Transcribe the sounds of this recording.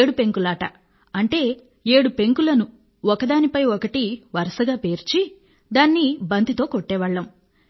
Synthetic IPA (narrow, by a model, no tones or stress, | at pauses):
ɽupe̞ŋkulaːʈɐ | ɐɳʈe̞ː | e̞ːɽupe̞ŋkulɐnu | ɔkɐd̪aːnipɐjɔkɐʈiʋɐɾɐsɐɡaːpe̞ːɾt͡ʃi | d̪aːnːibɐnt̪it̪o̞ːkoʈːɛːʋɐɭːɐm